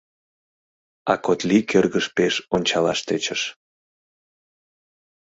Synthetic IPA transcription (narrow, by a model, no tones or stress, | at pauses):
ɑ̰kot̪likʰørɣəʃpeʃonʲt͡ɕɑlɑʃt̪et͡ɕəʃ